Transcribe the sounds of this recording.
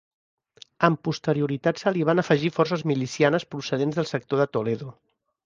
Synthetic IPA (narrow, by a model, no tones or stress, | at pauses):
əmpust̪əɾiuɾit̪at̪səliβ̞anəfəʒifɔrsəzmilisianəspɾusəð̞enzðəlˠsək̚t̪oðət̪uleðu